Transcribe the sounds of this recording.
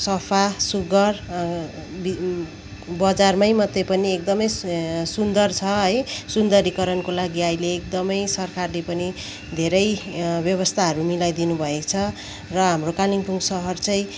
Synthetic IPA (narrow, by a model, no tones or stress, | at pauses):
sʌpʰasuɡʌr | bi | bʌd͡zarmajmʌd̪jepʌniek̚d̪ʌmʌjsund̪ʌrt͡sʰʌɦʌjsund̪ʌɾikʌɾʌnkolaɡiaileːk̚d̪ʌmʌjsʌrkarlepʌni | d̪ʱeɾʌjbjʌβʌst̪ʰaɦʌɾumilajd̪inubʱʌet͡sʰʌ | rʌɦamrokaliŋpuŋɡsʌɦʌrt͡sʌj̃